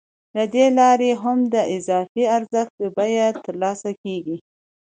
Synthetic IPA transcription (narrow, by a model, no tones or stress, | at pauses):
lad̪elɑɾeɦamd̪əʔɪzɑfiaɾzəxt̪bajat̪əɾlɑsakeɡi